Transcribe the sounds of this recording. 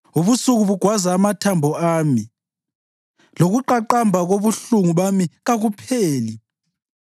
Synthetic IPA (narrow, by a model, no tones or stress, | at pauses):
uβusuɣuβuɡ̥ʱwazaːmatʰambʱɔaːmi | loɣuǃaǃambʱaɣoβuɬuŋuβamiɣaɣupʰeːli